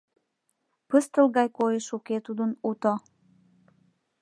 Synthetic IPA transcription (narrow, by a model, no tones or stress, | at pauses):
pəst̪əlɣɑjkojeʃuket̪ud̪ənut̪o